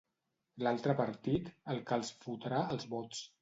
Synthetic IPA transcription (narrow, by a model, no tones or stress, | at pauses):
lalˠt̪ɾəpəɾt̪it̪əlˠkalˠsfut̪əɾaəlˠzβɔtt͡s